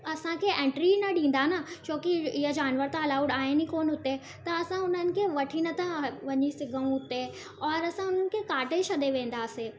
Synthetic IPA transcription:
ɐsãkʰeʔẽːɳʈɾinɐɗĩːn̆d̪anɐt͡ɕoːkiɪɦəd͡ʑaːnʋəɾt̪alaːʊɖaːɦenikoːnɦʊt̪e | t̪ɐɐsãʊn̤ənɪ̆kʰeʋɐʈʰinət̪ãʋɐɲisɪɡʱɐũɦʊt̪e | ɔːɾɐsãʊn̤ənɪ̆kʰekaːʈeʃɐd̪eʋẽːn̆d̪aːseː

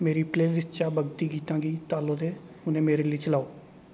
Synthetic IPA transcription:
meːɾiːpleːlɪsʈt͡ʃaːbəɡt̪iːɡiːt̪ãːɡiːt̪aːlõːd̪eː | ʊnẽːmeːɾeːləiːt͡ʃəlaːoː

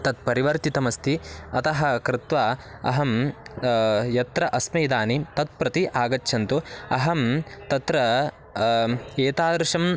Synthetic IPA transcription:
t̪ɐt̪̚pɐɾiʋɐɾt̪it̪ɐmɐst̪iɐt̪ɐɦɐ̆kɾɪt̪ʋaɐ̰ɦɐm | jɐt̪ɾɐʔɐsmɐjd̪aːnit̪ɐt̪̚pɾɐt̪iʔaːɡɐtːʃʰɐnt̪uɐɦɐmt̪ɐt̪ɾɐ | eːt̪aːd̪ɾɐʂɐm

